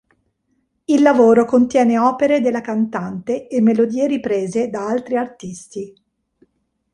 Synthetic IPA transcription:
ilːavoːɾokont̪jɛːneɔːpeɾed̪elːakant̪ant̪eːmːelod̪iːeɾipɾeːzed̪aalt̪ɾiart̪ist̪i

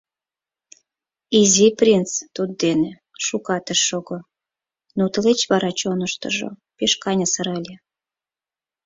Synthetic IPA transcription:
iziprʲint͡st̪ud̪̚d̪ene | ʃukɑt̪əʃːoɣo | nut̪əlet͡ɕβɑɾɑt͡ɕonəʃt̪ə̰ʒo̰peʃkɑnʲɑsəɾɑlʲe

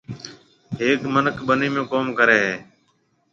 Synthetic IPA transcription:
ɦeːkmənəkʰbəniːmẽːkoːmkəɾeːɦeː

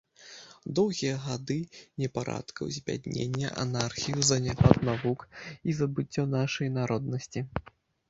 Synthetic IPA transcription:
d̪ɔwɣʲijɐɣad̪ɨnʲɛpaɾa̰t̪kɐwzʲvʲa̰d̪nʲḛnʲːɐ̰ʔa̰narxʲijuzɐnʲɛpad̪navukizɐbɨt͡sʲːɔnaʂɐjnaɾɔd̪nɐsʲt͡sʲi

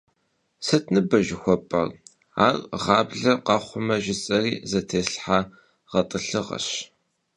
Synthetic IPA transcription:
sɐtʰnɨbɐʒɪxʷɔpʼɐ̰r | a̰ːrʁɑːbɮɐqɑχʷʊmɐʒɪt͡sʼɐriːzɐtʰeːsɬħaː | ʁɐtʼɨɬɨʁɐ̰ɕ

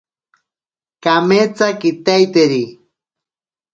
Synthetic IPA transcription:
kamet͡sakit̪ajt̪eɾi

